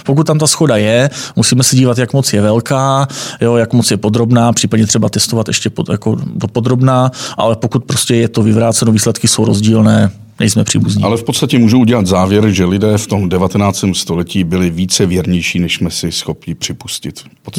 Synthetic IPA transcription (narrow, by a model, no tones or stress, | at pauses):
pok̬ut̪t̪ːamt̪asxo̞dajɛmusiːmɛsɛɟiːvat̪jakmo̞t͡sjɛvɛlkaːjo̞jakmot͡sjɛpo̞d̪ɾo̞bnaːpr̝̥iːpadɲɛt̪r̝ɛbat̪ɛst̪ovat̪ʔɛʃcɛpoja̰kodopo̞d̪ɾo̞bnaːʔa̰lɛpo̞kut̪̚pɾoscɛjɛt̪o̞vɪvɾaːt͡sɛnoviːslɛt̪kɪso̞wɾo̞zɟiːlnɛː | nɛ̰jsmɛpr̥ḭːbuzɲḭalɛfpot̪st̪acɛmuːʒuuɟɛlat̪zaːvjɛɾʒɛlɪdɛːft̪o̞mdɛvat̪ɛnaːt͡st̪ɛːmst̪olɛciːbɪlɪviːt͡sɛvjɛɾɲɛjʃiːnɛʃsmɛsɪsxo̞pɲɪpr̝̥ɪpuscɪt̪p